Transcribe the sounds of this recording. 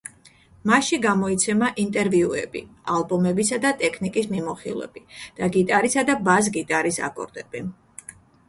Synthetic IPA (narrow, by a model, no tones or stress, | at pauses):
maʃiɡamɔit̪sʰɛmaʔint̪ʼɛɾviuɛ̰bḭalˠbɔmɛbisad̪at̪ʼɛkʰnikʼismimɔχḭlˠɛ̰bid̪̥aɡit̪ʼaɾisad̪abaz̬ɡit̪ʼaɾisa̰kʼɔ̰ɾd̪̥ɛb̥i